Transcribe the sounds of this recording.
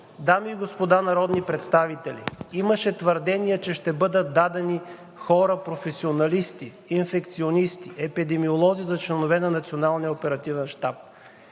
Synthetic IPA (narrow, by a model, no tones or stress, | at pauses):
d̪amiːɡospod̪anɐɾɔd̪nipɾɛt̪st̪avit̪ɛlʲḭimɐʃɛt̪vəɾd̪ɛniɛt͡ʃɛʃt̪ɛbɤd̪ət̪̚d̪ad̪ɛni | xɔɾəpɾofɛsionɐlist̪i | infɛkt̪sionist̪iɛpid̪ɛmiolˠɔzizɐt͡ʃlɛnovɛnɐnɐt̪sionalˠnijɐopɛɾɐt̪ivɛnʃt̪ap̚